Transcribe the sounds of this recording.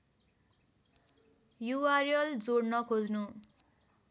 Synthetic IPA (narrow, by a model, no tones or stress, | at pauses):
juwarijʌld͡zornʌkʰod͡znu